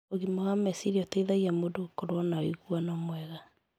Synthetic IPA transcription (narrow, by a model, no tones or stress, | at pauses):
oɣimɔɣamɛsiɾiɔteiðaɣiamodokoɾwɔnaoiɣuanɔmwɛɣa